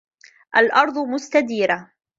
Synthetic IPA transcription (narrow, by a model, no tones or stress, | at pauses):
ʔalʔɑɾˤd̪ˤʊmʊst̪ad̪iːɾa